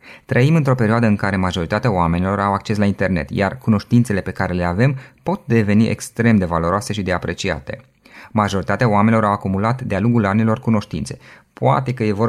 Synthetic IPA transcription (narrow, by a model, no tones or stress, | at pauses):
t̪ɾəimɨnt̪ɾo̞pe̞ɾioad̪əɨŋkaɾe̞maʒo̞ɾit̪at̪eaoame̞nilo̞ɾawakt͡ʃe̞s̬laint̪e̞rne̞̰t̪ja̰rkuno̞ʃt̪int̪se̞le̞pe̞kaɾe̞le̞ave̞mpo̞t̪̚d̪e̞ve̞niʔḛkst̪ɾe̞md̪e̞valo̞ɾoase̞ʃid̪e̞apɾe̞t͡ʃia̰t̪e̞̰ | maʒo̞ɾit̪at̪eaoamenʲilo̞ɾawakumulat̪d̪ealuŋɡulanilo̞rkuno̞ʃt̪ḭnt̪se̞ | poa̰t̪e̞kəje̞vo̞